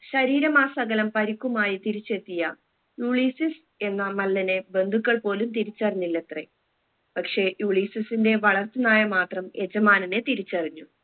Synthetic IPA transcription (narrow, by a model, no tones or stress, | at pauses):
ɕɐɾiːɾɐmaːsɐɣɐlɐmpɐɾikʲːumaːjit̪iɾit͡ɕːe̞t̪ːijɐ | juːɭiːsis | e̞nːɐmɐlːɐne̞be̞nd̪ʱukːɐɭpo̞ːlumt̪iɾit͡ɕːɐrɐɲːilːet̪re | pɐkʂe̞juːɭiːsisinde̞ʋɐɭɐrt̪ːɨnaːjɐmaːt̪rɐme̞d͡ʑɐmaːnɐne̞t̪iɾit͡ɕːɐriɲːu